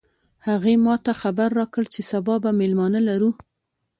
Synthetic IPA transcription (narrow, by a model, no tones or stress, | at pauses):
haɣemɑt̪axabaɾːɑkəɭt͡ʃesabɑbamelmɑnalaɾu